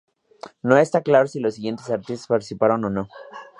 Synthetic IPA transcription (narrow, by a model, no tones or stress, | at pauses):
no̞e̞st̪aklaɾosilosːiɣje̞nt̪e̞saɾt̪ist̪ospaɾt̪isipaɾono̞no̞